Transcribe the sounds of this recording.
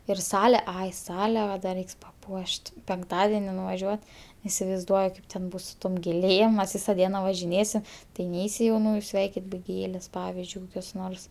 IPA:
ɪr ˈsɑːlʲɛ ˈɐɪ ˈsɑːlʲɛ ˈʋɐ dɐ ˈrʲɛɪks pɐˈpuɔʃʲtʲ pʲɛŋkˈtɑːdʲɛnʲɪ nʊʋɐˈʒʲuɔt ɪsʲɪʋɐɪzˈduɔjʊ ˈkɐɪp tʲɛn ˈbʊs sʊ ˈtoːm ɡʲeːˈlʲeːm mʲɛs ˈʋʲiːsɐ ˈdʲiɛnɐ ʋɐʒʲɪˈnʲeːsʲɪm tɐɪ ˈnʲɛɪsʲɪ jɛʊˈnuːjʊ ˈsʲʋʲɛɪkʲɪt bʲɛ ˈɡʲeːlʲeːs ˈpɑːʋʲɪzʲd͡ʒʲʊɪ koːkʲoːs ˈnoːrs

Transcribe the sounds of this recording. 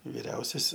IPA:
ʋʲɪˈrʲɛʊsʲɛs

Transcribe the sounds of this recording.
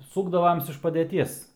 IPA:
ˈsuːɡdɐʋoːms ɪʃ pɐdʲɛˈtʲiɛs

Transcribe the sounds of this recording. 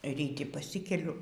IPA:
rʲiːˈtʲɪ pɐˈsʲɪkʲɛlʲʊ

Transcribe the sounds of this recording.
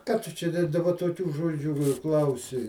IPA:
ˈkɑː ˈtʊ t͡ʃʲɛ dɐ dɐˈbɐ toːˈkʲuː ˈʒoːd͡ʒʲuː ɪr ˈklˠɐʊsʲɪ

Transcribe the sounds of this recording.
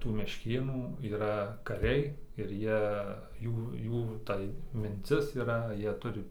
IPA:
tuː mʲɛʃʲˈkʲeːnuː iːˈrɐ kɐˈrʲɛɪ ɪr ˈjiɛ ˈjuː ˈjuː tɐɪ mʲɪnʲˈt͡sʲɪs iːˈrɐ ˈjiɛ ˈtʊrʲɪ

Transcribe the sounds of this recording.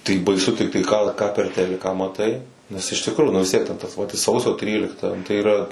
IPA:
tɐɪ bɐɪˈsʊ tʲɪkˈtɐɪ kɑː ˈkɑː pʲɛr ˈtʲæːlʲɪkɑː mɐˈtɐɪ ˈnʲɛs ɪʃ tʲɪkˈruːjʊ nʊ ʋʲɪs ˈtʲiɛk tʲɛn ˈtɐs ˈʋɐt ɪ ˈsɐʊsʲoː ˈtʲrʲiːlʲɪktɐ tɐɪ iːˈrɐ

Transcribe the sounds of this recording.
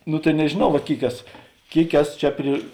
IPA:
ˈnʊ tɐɪ nʲɛʒʲeːˈnɐʊ ʋɐt ˈkʲeːɪk ˈæːsoː ˈkʲeːɪk ˈæːsoː ˈt͡ʃʲɛ pʲrʲɪ

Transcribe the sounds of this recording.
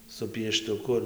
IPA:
sʊ pʲiɛʃtʊˈkʊ ɪr

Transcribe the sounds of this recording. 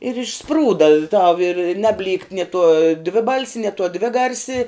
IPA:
ɪr ɪʃˈspruːdɐ tɐʊ ɪr ˈnɑːbʲˌlʲiːkt nʲɪ tuɔ ˈdʲʋʲɪˌbɐlʲsʲɪ nʲiɛ tuɔ ˈdʲʋʲɪˌɡɐrʲsʲɪ

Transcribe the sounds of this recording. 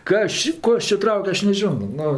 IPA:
ˈkɐs t͡ʃʲɪ ˈkoː ɐʃ t͡ʃʲɪ ˈtrɐʊkʲ ˈɐʃ nʲɛˈʒʲoːnoː ˈnʊ

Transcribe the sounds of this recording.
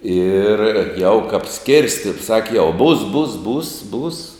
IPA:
ɪr jɛʊ kɐp ˈsʲkʲɪrʲsʲtʲɪ ˈsɑːkʲɪ jɛʊ buːs buːs buːs buːs

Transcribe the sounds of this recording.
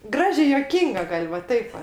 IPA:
ˈɡrɑːʒʲeː juɔˈkʲiːŋɡɐ ˈɡɐlʲ ʋɐ ˈtɐɪp ʋɐ

